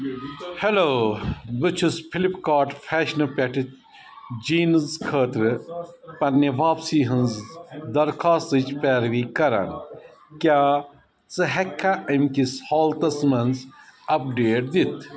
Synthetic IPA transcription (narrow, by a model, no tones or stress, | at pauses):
heloːbɨt͡ʃʰuspʰilipkaːʈfʰɛːʃnɐpʲɐʈit | d͡ʒiːnzkʰəːt̪ɾɨpɐnːeʋaːpsiːɦɐnzd̪ɐɾkʰaːst̪ɨt͡ʃpɛːɾʋiːkɐɾɐ̰n | kjaː | t͡sɨɦekʰːaʔɐmkishɔːlt̪ɐsmɐnzɐp̚ɖeːʈ̚d̪it̪ʰ